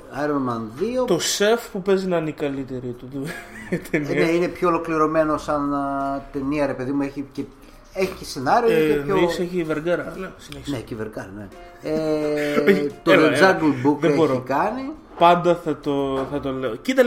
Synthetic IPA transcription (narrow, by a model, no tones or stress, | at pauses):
ɐɾonmɐnðiot̪o̞se̞fpupe̞zinɐnikɐlit̪e̞ɾit̪ut̪ut̪ʰenineine̞pçoolokliɾo̞me̞nosɐnt̪e̞niɐɾepe̞ðimue̞çice | eçi̥cese̞nɐɾioenoeseçiveɾɡɐɾɐnesinneçi̥sneciveɾɡɐɾɐne | eeçt̪od͡zɐɡlbukeeboɾɾoikɐni | pɐnd̪ɐθɐt̪oθɐt̪o̞leocit̪ɐ